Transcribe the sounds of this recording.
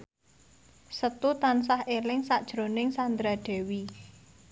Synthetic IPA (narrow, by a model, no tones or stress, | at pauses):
sət̪ut̪ans̬ahʔelɪŋsaʔd̥ʒ̥ɾonɪŋsand̪ɾaɖ̪̥ɛ̤wi